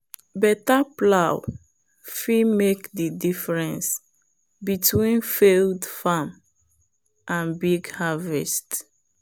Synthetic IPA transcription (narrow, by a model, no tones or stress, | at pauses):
bɛtaplaw | fimekdidifɹɛ̃ns | bitʰwĩnfeldfam | ʔãnbiɡhavɛst